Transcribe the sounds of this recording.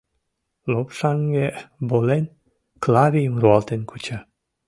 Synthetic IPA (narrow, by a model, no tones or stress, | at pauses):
lopʃɑŋɡebolen | klɑβijəmruɑlt̪enkʰut͡ɕɑ